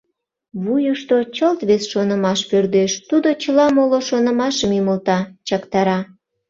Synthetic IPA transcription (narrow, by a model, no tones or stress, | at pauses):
βujəʃt̪ot͡ɕəlt̪βesʃonəmɑʃpørd̪eʃt̪ud̪ot͡ɕəlɑmoloʃonəmɑʃəmiməlt̪ɑt͡ɕɑkt̪ɑɾɑ